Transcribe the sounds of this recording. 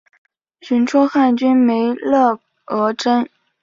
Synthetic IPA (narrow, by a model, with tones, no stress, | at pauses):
ɕy˧˥nʈ͡ʂʰɔ˥xa˥˩nt͡ɕy˥nme˧˥ɪlɤ˥˩ | ɤ˧˥ʈ͡ʂə˥n